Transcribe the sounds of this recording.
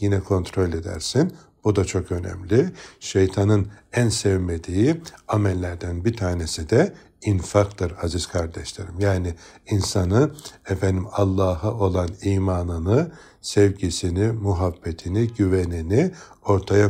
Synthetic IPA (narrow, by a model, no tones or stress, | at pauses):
jinɛkʰo̞nt̪ʰɾo̞lʲed̪æ̰ɾsin | b̥ud̪at͡ʃʰo̞kø̞nɛ̰mlʲiʃejt̪ʰanɯnænsɛvmed̪iːiamɛlʲːæɾd̪ænbit̪ʰaːnesid̪ɛ | infakt̪ʰɯɾhaziz̥kʰaɾd̪ɛʃlʲeɾimjaːnɪinsanɯɛfɛnd̪imalˠːaːɦɯʔo̞lˠaniːmaːnɯnɯ | sɛvɟisinimuɦabːet̪ʰiniɟyvenini | o̞ɾt̪ʰaja